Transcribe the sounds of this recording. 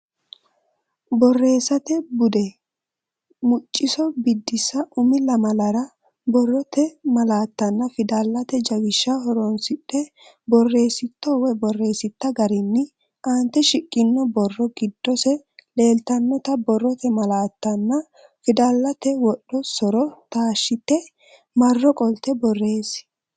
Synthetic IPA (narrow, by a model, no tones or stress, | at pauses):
bɔrːe̞ːsːɐt̪ɛbʊd̪ɛ | mʊt͡ʃʼːɪsɔbɪd̪ːɪsɐʔʊmɪlɐmɐlɐɾɐ | bɔrːɔt̪ɛmɐlaːt̪ːɐnːɐfɪd̪alːɐt̪ɛd͡ʒɐwɪʃːɐɦɔɾɔnsɪᶑːɛ | bɔrːe̞ːsɪt̪ːɔwɛbɔrːe̞ːsɪt̪ːɐɡɐɾɪnːɪ | ʔant̪ːɛʃɪkʼːɪnːɔbɔrːɔɡɪd̪ːɔsɛ | le̞ːlt̪ɐnːɔt̪ɐbɔrːɔt̪ɛmɐlaːt̪ːɐnːɐ | fɪd̪alːɐt̪ɛwɔɗːɔsɔɾɔt̪aːʃːɪt̪ːɛ | mɐrːɔkʼɔlt̪ɛbɔrːe̞ːs